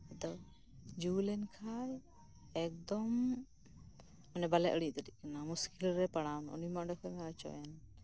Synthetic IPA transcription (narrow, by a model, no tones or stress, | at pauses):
ɛd̪ɔ | d͡ʒulɛnkʰal | ɛk̚d̪ɔm | manɛbalɛʔəɽiʔt̪əʈiʔ̚kɛnamuskilɾɛpaɽawnɔ̰nimaʔɖɛkʰɔjmɛat͡ʃɔ̰jɛn